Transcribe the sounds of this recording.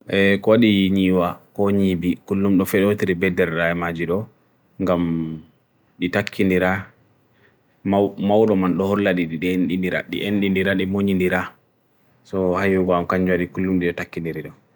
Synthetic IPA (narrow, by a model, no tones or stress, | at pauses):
ʔɛkɔwaɗiɲiːwakɔɲibikulːumɗɔfɛɗotiɾibɛdɛɾɗaɛmad͡ʒiɗɔ | ŋɡam | ɗitakʰːindiɾa | mmawɗɔmanɗɔhɔɾlaɗiɗiɗnɗindiɾa̰ɗḭʔenɗindiɾaɗimoɲindiɾa | sɔhajuɡɔamkaɲd͡ʒuwaɗikulːumɗiɗɔtakːindiɾiɗɔ